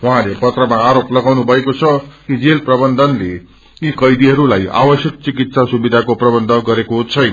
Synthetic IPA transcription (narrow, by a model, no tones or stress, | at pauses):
wɦãlepʌt̪rʌmaːɾoplʌɡawnubʱʌekot͡sʰʌkid͡zelprʌbʌnd̪ʱʌnle | ikʌjd̪iɦʌɾulaja̰bʌsjʌk̚t͡sikit̪sasubid̪ʱakoprʌbʌnd̪ʱʌɡʌɾekoɦt͡sʰʌj